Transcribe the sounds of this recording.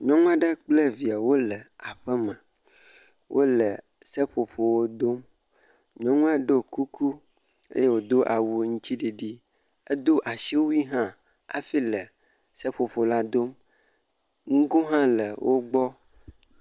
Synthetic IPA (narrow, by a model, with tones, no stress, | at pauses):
ɲɔ̃˦ŋũ˦a˦ɖə˦k͡ple˦vi˨a˨wo˦lə˨a˨ɸə˦mə̃˨ | wʔo̰˦lə˨ | se˦ɸo˨ɸo˨wo˦d̪o˦m | ɲɔ̃˦ŋũ˦a˦ɖo˦ku˦kʰu˦ | ḛ˦je˦wo˨d̪o˦ʔa˨wu˦ŋũ˦t͡ɕi˦ɖi˨ɖi˦ | e˦d̪o˦ʔa˨si˦wo˦wi˦ɦã˦ | a̰˨fi˦lə˨ | se˦ɸo˨ɸo˨la˦d̪o˦m | ŋu˦ɡo˦ɦã˦lə˨wʔo˦ɡ͡bɔ˦